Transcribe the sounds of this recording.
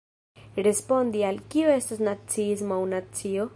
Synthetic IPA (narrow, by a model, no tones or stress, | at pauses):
ɾe̞spo̞nd̪ialkioe̞stasnat͡siis̬moawnat͡sio̞